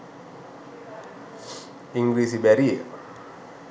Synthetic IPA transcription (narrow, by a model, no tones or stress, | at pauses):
iŋɡɾis̬ibaɾia